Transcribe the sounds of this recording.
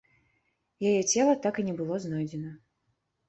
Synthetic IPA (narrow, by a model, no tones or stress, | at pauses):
jajɛt͡sʲɛlˠɐt̪akinʲɛbɨlˠɔznɔjd͡zʲɛnɐ